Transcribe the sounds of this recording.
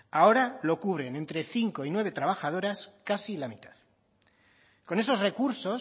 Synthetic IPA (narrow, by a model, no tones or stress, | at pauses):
ao̞ɾalo̞kuβ̞ɾe̞ne̞nt̪ɾe̞θiŋko̞inwe̞β̞e̞t̪ɾaβ̞axað̞o̞ɾaskasilamit̪að | ko̞ne̞so̞zre̞kuɾso̞